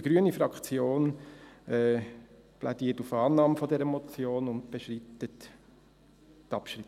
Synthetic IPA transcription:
əɡ̥ɾyənifɾɑkt͡sjoːn | ɛ | plʔadiːətufɑːnɑːmfɔdɛɾəmɔt͡sjoːnʊnt̚b̥eʃɾitət | tɑpʃɾit

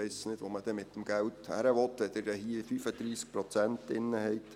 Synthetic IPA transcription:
ɛɪssnɪd̥ʋoməd̥ɛmɪt̪ːəmɡ̥ælthæ̰ɾəʋɔt̪ɛd̥̪əɾəhifyːfəd̪ɾiːsk̚pɾɔt͡sæntɪ̰nːəhɛɪt̪

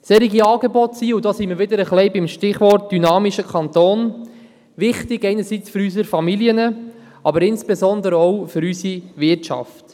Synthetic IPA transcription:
sɛɾiɡiɑːɡebɔtsiːudɔːsiməɾʋɪd̪əɾəχlɛɪbɪmʃtɪχʋɔrt̚d̥ynɑːmiʃəkʰɑnt̪oːn | ʋɪχtɪɡɛɪnəsit͡sføɾys̬əɾfɑmiliənə | ɑbəɾɪnsb̥ezɔnd̪əɾəɔwfʏɾysiʋɪɾtt͡ʃɑ̰ft

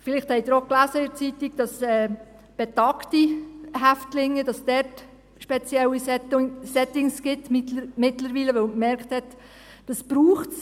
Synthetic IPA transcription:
fɪlɪχthɛɪd̥̪ɾɔklæsəɪɾt͡sitiɡ̥d̥ɑsɛː | b̥ɛtɑktiɦæftlɪŋːəd̥ɑsd̥ɛɾt | ʃpɛt͡sjɛwisɛsɛtɪŋsɡ̥ɪtmmɪtləɾviːləʋɛwkmɛɾkthɛt | d̥ɑsb̥ɾuːχts

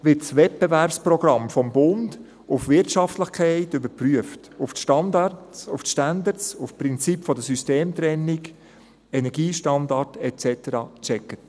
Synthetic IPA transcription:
ʋɪtsʋɛt̚b̥ɛvæɾpsprɔɡɾɑmfɔmbʊnd | ʊfʋɪɾtʃɑftləχkʰɛɪtʏbəɾpryəftʊfʃtɑndɑʊfʃtænd̪ət͡sʊfpɾɪnt͡sipfɔdəsysteːmt̪ɾɛnːik | ɛnɛɾɡiːʃtɑndɑrtɛt͡sɛtəɾɑ̰ːt͡ʃɛkːət

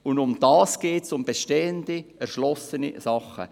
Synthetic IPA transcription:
ʊndʊmd̥ɑːsɡ̥eːtsʊmb̥eʃteːəndiɛɾʃlɔsənḭsɑχə̰

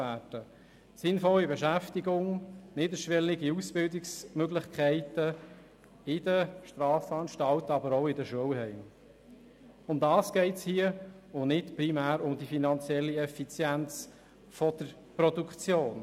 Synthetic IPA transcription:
æːd̥ə | sɪnfɔlːibɛʃæftiɡʊŋnɪdəʃʋɛliɡiusb̥ɪldɪksmøɡlɪχkʰɛɪtə | ɪd̥əʃtrɑːsɑnʃtɑltɑbəɾoʊɪdəʃuəwhɛɪm | ʊndɑːsɡ̥ɛɪtshiəʊnɪtpɾimæːɾʊmd̪ifinɑnt͡sjɛlːiɛfit͡sjænt͡s | fɔd̥əɾ | pɾɔdukʰt͡sjoːn

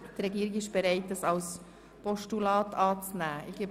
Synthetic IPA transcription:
d̥ərɾɛɡiːɾɪɡɪʃb̥ɛɾæɪt̚ːɑsɑls | pɔʃtulɑːtʰɑːt͡snæːʔɪɡ̥eb

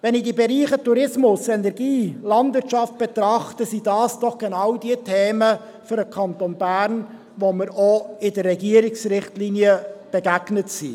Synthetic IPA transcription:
vɛnɪdibɛɾiːχətuɾɪsmʊsɛnɛɾɡiːlɑndvɪtʃɑft̚b̥et̪ɾɑχtəsid̥ɑːsd̥ɔχɡ̥enɑwdiətʰeːmə | fʏɾəkʰɑnt̪onbæːɾn | voməɾoɪdərːɛɡiəɾɪksɾɪχtliːnjəb̥ɛɡæɡnətsḭ

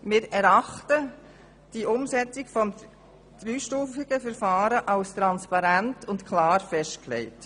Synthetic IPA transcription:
mɪːɾɛɾɑχtə | d̥iʔʊmsɛt͡sɪkfɔm | d̪̥ɾyːʃtuːfɪɡ̥əfɛɾfɑːɾəʔɑlst̪ɾɑnspɑɾæntʊntkʰlɑːɾfɛʃtklɛ̰ɪt

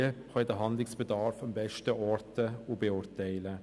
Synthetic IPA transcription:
əhɑːd̪əɦɑnd̪lɪŋsb̥əd̪ɑːɾfɑmbɛʃtəʔɔɾt̪əoːbəʊɾt̪eɪlə

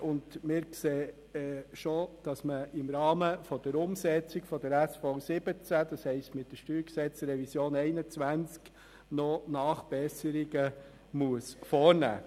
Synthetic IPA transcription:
ʔʊndmɪːɾkseː | ʃod̥ɑsməɪmɾɑːməfɔd̥̪əɾʊmsɛt͡sɪkfɔdəɾæsfɔsɪb̥ət͡sæd̥̪ɑshɛɪstmɪt̚d̥əʃtyːɾksɛt͡sɾɛvisjoːnɛɪnət͡svʋænt͡sk | nɔnɑːχb̥ɛsəɾiɡə | muəsfɔːɾnæ̰ː

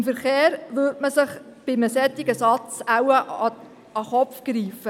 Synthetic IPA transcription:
ɪmfəɾχeːɾʋøtməsɪχb̥ɪməsɛt̪ːɪɡ̥əsɑt͡sawəʔɑ | ɑχɔpfɡ̥ɾiːfə

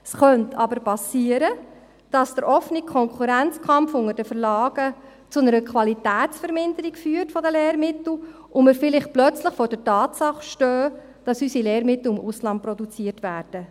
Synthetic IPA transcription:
sχœntʰɑ̰bəɾpɑsiːəɾə | d̥ɑsd̥əɾʔɔfənikʰɔŋkʰuɾænt͡skʰɑmpfʊŋəɾd̥əfəɾlɑːɡ̥ə | t͡sʊnəɾəkʰʋɑlitæːtt͡sfəɾmɪndəɾikfyːəɾtfɔdəleːɾmɪtl̩ | ʔʊmɪɾfɪlɪχtplœt͡sləχfɔːɾdɛtɑːtsɑχʃtœː | d̥ɑsysileːɾmɪtl̩ɪmʔʊslɑnt̚pɾɔdut͡siətʋæːrd̥ə

